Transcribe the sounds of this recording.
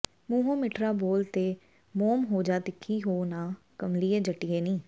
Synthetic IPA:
muːɦõːmɪʈɾaːboːlt̪eː | moːmɦoːd͡ʒaːt̪ɪkʰːiːɦoːnãː | kəmliːeːd͡ʒəʈijeːnĩː

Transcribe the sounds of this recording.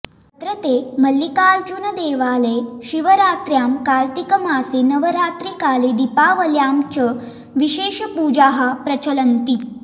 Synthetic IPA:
t̪ɾət̪eməlːikaːlt͡ɕunəd̪eːʋaːleɕiʋəɾaːt̪ɾjamkalt̪ikəmaːsenəʋəɾaːt̪ɾikaːlid̪ipaʋəljaːmt͡ɕə | ʋiɕeːɕpuːd͡ʑaɦapɾət͡ɕələnt̪iː

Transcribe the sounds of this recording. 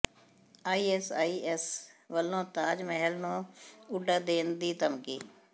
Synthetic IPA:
aːiːɛsaːiːʔɛsʋəlːõːt̪aːd͡ʒməɦəlnõːʊɖaːd̪eːnd̪iːt̪əmkḭː

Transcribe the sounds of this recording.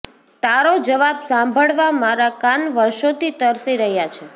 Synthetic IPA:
t̪aɾod͡ʒəʋabsãmbʱəɭʋamaɾakanʋəɾʃot̪it̪əɾsiɾəɦjat͡ʃʰe

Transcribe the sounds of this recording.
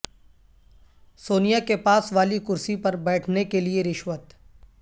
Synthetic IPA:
soːnijakepaːsʋaːlikʊɾsipɐɾbɛːʈʰnekelieɾɪʃʋət̪

